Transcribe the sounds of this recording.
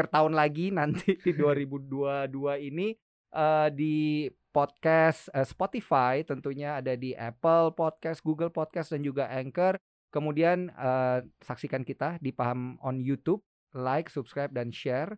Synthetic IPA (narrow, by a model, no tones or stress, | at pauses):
ərt̪aʊnlaɡinant̪ʰididuaɾibuduaduaini | ʔədi | pɔt̪̚kasəspot̪ifajt̪ənt̪uɲaːdadiʔɛ̰pəlpɔt̪̚kasɡuɡəlpɔt̪̚kasdand͡ʒuɡaʔɛŋkər | kəmudianəsaksikankit̪adipaɦamɔnjut̪up̚ | lajksupskɾajp̚danʃɛr